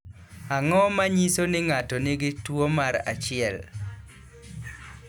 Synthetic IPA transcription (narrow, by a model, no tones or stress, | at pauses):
aŋɔmaɲisonɪŋatɔnɪɡɪtwomaɾa̰t͡ʃɪɛl